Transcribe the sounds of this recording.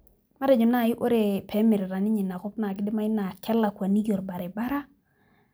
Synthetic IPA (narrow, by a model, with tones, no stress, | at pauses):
ma˦de˨d͡ʒo˨na˦˨i˦ʔo˦ɾe˨pʰe˨˦mi˨ɾɾa˨ni˦ɲi˨na˨ko˦kna˨k̬ɪ˦de˦ma˦i˦na˨kɛ˦lːa˨kwa˨ni˦ɡo˨ɾba˨ɾe˨ba˦ɾa˦